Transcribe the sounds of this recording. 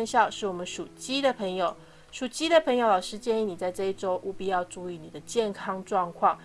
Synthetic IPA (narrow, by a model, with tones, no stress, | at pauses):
nɕjɑ˥˧ʊʂɻ̩˥˩wɔ˨˩mə˦nʂu˨˩t͡ɕi˥d̪ə˨pʰə˧˥ŋjo˨˩ʊ | ʂu˨˩t͡ɕi˥d̪ə˨pʰɤ˧˥ŋjo˨˧˦lɑ˨˩ʊʂɻ̩˥t͡ɕjɛ˥˧ni˥˩ni˨˩t͡sa˥˧ɪʈ͡ʂɤ˥˧i˥˩ʈ͡ʂo˥ʊʔu˥˩pi˥˧jɑ˥˧ʊʈ͡ʂu˥˧i˧˥˩ni˨˩d̪ə˦t͡ɕjɛ˥˩nkʰɑ˥ŋʈ͡ʂwɑ˥˧ŋkʰwɑ˥˩ŋ